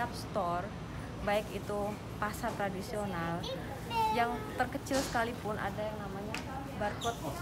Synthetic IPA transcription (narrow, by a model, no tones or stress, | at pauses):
ap̚st̪ɔr | baɪkit̪u | pasat̪ɾadisional | jaŋt̪ərkət͡ʃɪlsə̥kalipʊnʔa̰dajaŋnamaɲa | barkɔt̪̚